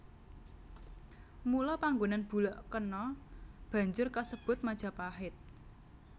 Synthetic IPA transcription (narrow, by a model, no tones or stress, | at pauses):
mulɔpaŋɡonanb̥ṳlɔʔkənɔb̥ä̤ɲd͡ʒʊrkasəb̥ʊ̤t̪̚mad̥ʒ̥ä̤paɦɪt̪̚